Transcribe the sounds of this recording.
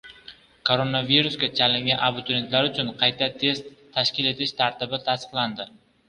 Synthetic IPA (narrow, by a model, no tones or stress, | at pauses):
kʰoɾonaviɾʊsɡʲat͡ʃʰalɪŋɡʲanʔabʊt̪ʰɾe̞nt̪laɾʊt͡ʃʰʊnqʰɑjt̪ʰat̪ʰe̞st̪ʰːaʃkʲɪle̞t̪ʰɪʃt̪ʰaɾt̪ɪbɪt̪ʰast̪ɨ̥qlˠand̪ɪ